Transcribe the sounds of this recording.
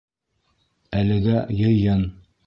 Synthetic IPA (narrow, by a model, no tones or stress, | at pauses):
ælɘ̆ɡæjɤ̆jɤn